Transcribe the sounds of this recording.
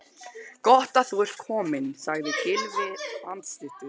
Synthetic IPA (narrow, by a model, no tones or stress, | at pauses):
kɔht̪aθuɛr̥t̪̚kʰɔːmɪnsaɣðɪcɪlvɪlant̪slɪht̪ʏ̥